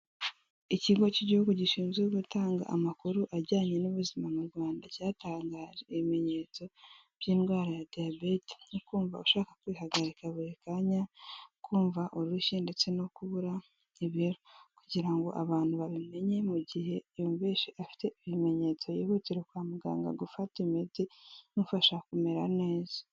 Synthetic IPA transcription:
iciɡo̞ciɟihuɡuɟiʃiːnzeuɡutaːŋɡa̰ʔːmakuɾuʔaɾɟaːɲe̞nuβuzimamuɾɡwaːndacaːtaːŋɡaːʒe̞iβime̞ɲe̞t͡so̞ | β̥jiːnɡwaːɾajadiabe̞te̥nukuːɱvauʃaːkḁkwiːhaɡaɾikaβuekaɲakuːɱvaʔuɾuʃinde̞t͡se̞no̞kuβuɾa | iβiɾokuɟiɾaŋɡo̞̰ʔaβaːn̥huβaβime̞ɲe̞muɟihe̞jombeʃiʔafi̥te̞iβime̞ɲe̞t͡so̞jihuciɾekwaːmuɡa̰ːŋɡa̰ɡufatimid͡zinufaʃakumeɾane̞ːzḁ

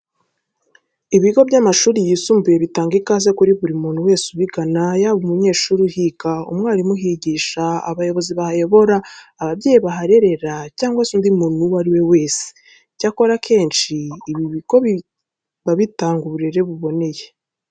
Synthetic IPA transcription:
iβiɡo̞bɟamaʃuːɾijiːsuːmbuje̞βitaːŋɡikazekuɾiβuɾimuːnhuwe̞ːsuβiɡanajaβumuɲe̞ːʃuːɾuhikaṵmŋaːɾimuɦiɟiʃaa̰βajo̞βo̞ziβahajo̞βo̞ɾaːβabɟe̞ːjiβaɦaɾe̞ɾe̞ɾacaːŋɡwasundimuːn̥huwaɾiwe̞we̞ːse̥ | cako̞ɾakʰe̞ːnʃiːβiβiɡ̥o̞βi | βaβitaːŋɡuβuɾeɾe̞βuβo̞ne̞je

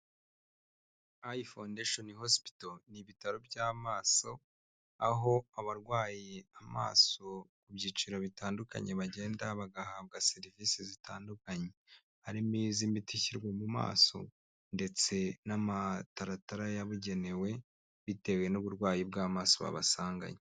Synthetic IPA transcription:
ajifandeʃonhosi̥pi̥toniβitaɾobɟaːmaːso̞ | aɦo̞aβaɾɡwaːjeama̰ːso̞kubɟiːt͡ʃiɾoβitaːnduka̰ɲe̞βaɟe̞ːndaβaɡahaːb̚ɡaseɾivisizitaːndukaɲe̞ | aɾimiːzimitiçiɾɡwemuma̰ːso̞̰ | nde̞t͡se̞namataɾataɾajaβuɟe̞ne̞we̞ | βite̞we̞nuβuɾɡwaːjibɡaːmaːso̞βa̰βa̰saːŋɡa̰ɲe

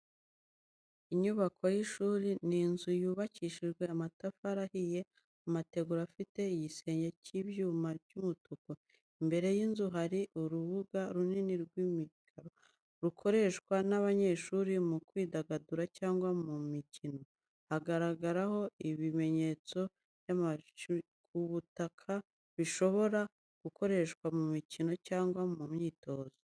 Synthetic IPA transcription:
iɲuβakʰo̞jiʃuːɾininzujuːβaciːʃiʒɡwe̞amatafaɾahije̞ | amate̞ɡuɾafite̞ijise̞ːɲɟeciβjuːmaɾɟumutuko | imbe̞ɾe̞jinzuɦaɾiʔuɾuβuɡaɾuniniɾɡwimikʰaɾo | ɾukʰo̞ɾe̞ʃkwanaβaɲe̞ʃuːɾimukwiːdaɡaduɾacaːŋɡwamumicino̞ | haɡaɾaɡaɾaho̞iβime̞ɲe̞t͡so̞ | βjama | kuβutakʰa | βiʃo̞βo̞ɾa | ɡ̥uko̞ɾe̞ʃkwamumicino̞caːŋɡwamumɲiːto̞ːzo

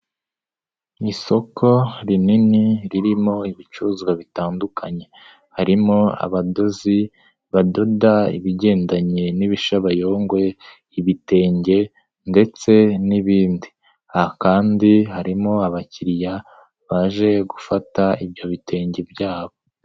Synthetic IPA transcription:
iso̞kʰo̞ɾininiɾiɾimo̞iβit͡ʃuzɡwaβitaːndukʰaɲe̞ | haɾimo̞a̰βado̞zi | βado̞daḭβiɟe̞ːndaɲe̞niβiʃaβajo̞ːŋɡwe̞ | iβite̞ːɲɟe̞ | nde̞t͡se̞niβiːndi | ahakaːndihaɾimo̞aβaciɾja | βaʒe̞ɡufataibɟo̞βitʰe̞ːɲɟe̞bɟaːβo̞

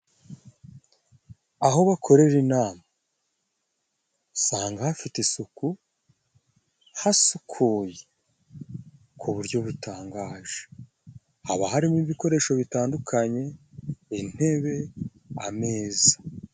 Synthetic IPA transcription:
aɦo̞βakʰo̞ɾe̞ɾinaːma | saːŋɡahafitesuku | hasukʰoːje | kʰuβuɾjo̞βutaːŋɡaːʒe̥ | haβaɦaɾimiβiko̞ɾe̞ːʃo̞βitaːndukʰaɲe̞in̥he̞βe̞ | ame̞ːzḁ

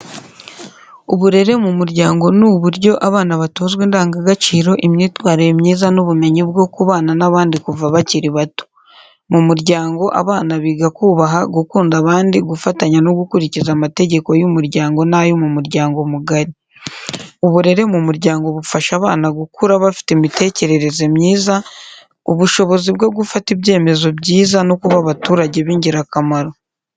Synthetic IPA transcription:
uβuɾe̞ɾe̞mumuɾɟaːŋɡo̞nuβuɾɟo̞ʔaβaːnaβatoːzɡwiːndaːŋɡaɡat͡ʃiːɾo̞ʔimɲiːtwaːɾijemɲiːzanuβume̞ɲibɡo̞kuβaːnanaβaːndikuvaβaciɾiβato̥ | mumuɾɟaːŋɡo̞ʔa̰βaːnaβiːɡakuːβaɦaɡukuːndaβaːndiɡufataɲano̞ɡukuɾicizamate̞ɟe̞ko̞jumuɾɟaːŋɡo̞najomumuɾɟaːŋɡo̞muɡaɾi | uβuɾe̞ɾe̞mumuɾɟaːŋɡo̞βufaʃaβa̰ːnaɡukuɾaβafi̥temite̞ːce̞ɾe̞ɾe̞zemɲiːza | uβuʃo̞βo̞ziβɡo̞ɡufatibɟe̞ːme̞zo̞bɟiːzanokuβaβatuːɾaɟe̞βiːɲɟiɾakamaɾo̞

